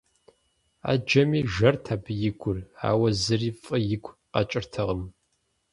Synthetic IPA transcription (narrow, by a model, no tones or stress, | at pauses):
a̰ːd͡ʒɐmiːʒɐrtʰaːbjɪɡʷʰʼʊra̰ːwɐzɨriːfʼɨjɪkʷʰʼqɐ̰t͡ʃʼɪrtʰɐʁəm